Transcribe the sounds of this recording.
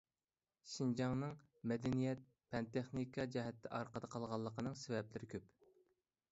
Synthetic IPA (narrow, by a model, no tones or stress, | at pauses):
ʃind͡ʒɑŋnɨŋ | mɛd̪ɛnijɛt̪̚ | pʰɛnt̪eχnikʰɑd͡ʒɛɦɛt̪ʰːɛʔɑɾqəd̪əqʰɑlˠʁɑlˠːəqənɨŋsɪvɛplɪɾɪkʲʰøp